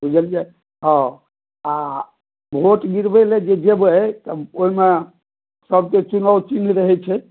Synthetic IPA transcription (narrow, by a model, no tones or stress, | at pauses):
bʱud͡ʒəld͡ʒa | ɦɔ̃ | a | bʱoʈɡiɾbɛled͡ʒed͡ʒebt̪əoime | səb̚ket͡ʃunəwt͡ʃinɾəɦɛt͡ʃʰɛ